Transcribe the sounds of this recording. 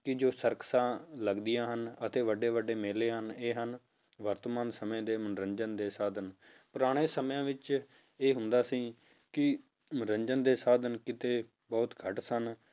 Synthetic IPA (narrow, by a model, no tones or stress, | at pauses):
kɪd͡ʒoːsəɾkʰsãːləɡd̪ijãːɦənət̪eːʋəɖeːʋəɖeːmeːleːɦəneːɦən | ʋəɾt̪əmaːnsəmẽːd̪eːmənɾəɲd͡ʒənd̪eːsaːd̪ʱənpʊɾaːɽ̃eːsəmjãːʋɪt͡ʃ | eːɦʊnd̪aːsĩː | kɪ | mənɾəɲd͡ʒənd̪eːsaːd̪ənkɪt̪eː | bɔːt̪ɡʱəʈsən